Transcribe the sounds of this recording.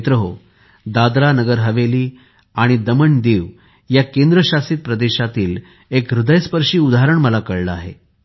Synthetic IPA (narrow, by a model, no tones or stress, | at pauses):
t̪ɾəɦo | d̪ad̪ɾanəɡəɾɦəʋeliː | aɽ̃id̪əməɳd̪iːʋ | jakend̪ɾəɕasiːt̪̚pɾəd̪eɕat̪iːl | ekɾud̪əjspəɾʂiːud̪aɦaɾəɳməlakəɭləa̰ɦḛ